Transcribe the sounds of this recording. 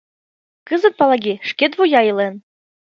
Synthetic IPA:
kɤzɤ̆t̪̚pɑlˠɑɡʲiʃket̪̬βujɑɤlen

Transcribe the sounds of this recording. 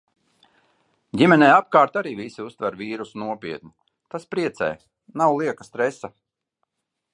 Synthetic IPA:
ɟʲimɛnɛjap̚kaːɾt̪aɾiːvisiust̪vɛɾviːɾusnuɔpʲiɛt̪nʲu | t̪aspɾiɛt̪sɛ̰j | nawlˠiɛkast̪ɾɛsa

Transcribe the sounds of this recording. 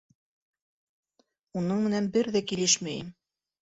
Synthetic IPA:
unɤɴmɘ̆nænbɘɾðækilɘʃmæjɘm

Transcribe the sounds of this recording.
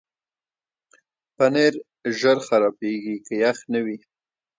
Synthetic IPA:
paneɾ | ʒəɾxaɾɑpeɡikəjaxnəwi

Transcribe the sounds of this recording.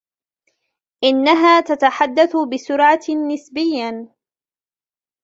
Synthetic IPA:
ʔɪnːaɦaːt̪at̪aħad̪ːaθʊbɪsʊɾʕanɪsbɪjːa

